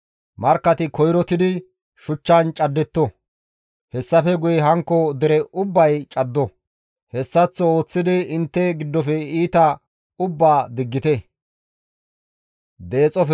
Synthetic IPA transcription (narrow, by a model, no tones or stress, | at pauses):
mɐɾkːɐt̪ɪkɔjɾɔt̪ɪd̪ɪ | ʃʊt͡ʃːɐnt͡ʃʼɐd̪ːɛt̪ːɔ | hɛsːɐfɛɡʊjɛɦɐŋkːɔd̪ɛɾɛʔʊbːɐjt͡ʃʼɐd̪ːɔ | hɛsːɐt͡sːɔo̞ːt͡sːɪd̪ɪɪnt̪ːɛɡɪd̪ːɔfɛiːt̪ɐ | ʊbːaːd̪ɪɡːɪt̪ɛ | d̪e̞ːt͡sʼɔf